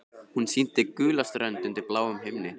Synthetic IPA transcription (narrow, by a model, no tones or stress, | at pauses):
hunsin̥t̪ɪkʏːlast̪ɾœnt̪ʏnt̪ɪɾplaːwʏmɦɪmnɪ